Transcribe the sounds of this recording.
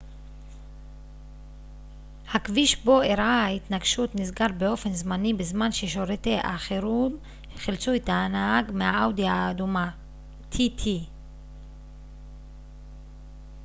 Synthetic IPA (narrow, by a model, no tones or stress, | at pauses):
hakviʃbo̞eɾʔaait̪naɡʃut̪nizɡaɾbeo̞fe̞nzmanibezmanʃeʃo̞ɾeteʔaχeɾum | χilt͡suetaːnaaɡmehaawdiaːduma | t̪ʰit̪ʰi